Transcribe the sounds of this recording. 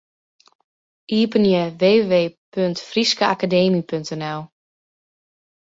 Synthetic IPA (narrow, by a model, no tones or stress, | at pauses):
ʔiːpənjəʋeːʋeːpøntfriskəakadeːmipøntɛnɛlˠ